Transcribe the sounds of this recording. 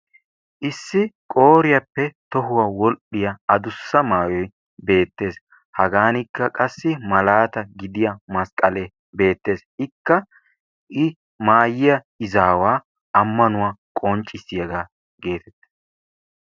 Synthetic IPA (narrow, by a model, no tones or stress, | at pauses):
ʔɪsːɪkʼo̞ːɾɪjɐpːɛt̪ɔɦʊwaːwɔlɗɪjɐɐd̪ʊsːɐmaːjɔj | be̞ːt̪ːe̞ːs | hɐɡaːnɪkːɐkʼɐsːɪmɐlaːt̪ɐɡɪd̪ɪjɐmɐskʼɐle | be̞ːt̪ːe̞ːsɪkːɐ | ʔɪ | maːjɪjɐ | ɪzaːwaː | ɐmːɐnʊwaːkʼɔnt͡ʃʼɪsɪjɐɡaː | ɡe̞ːt̪ɛt̪ːɐ̥